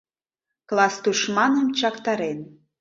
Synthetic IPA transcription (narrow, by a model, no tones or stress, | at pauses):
klˠɑst̪uʃmɑnəmt͡ɕɑkt̪ɑɾen